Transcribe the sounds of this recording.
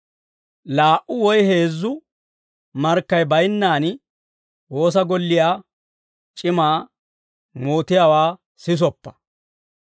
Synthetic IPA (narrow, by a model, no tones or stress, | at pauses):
laːʔʔʊwɔjheːzːʊ | mɐɾkːɐjbɐjnːaːn | wo̞ːs̬ɐɡɔlːɪjaː | t͡ʃʼɪmaː | moːt̪ɪjaːwaː | sɪs̬ɔpːɐ̥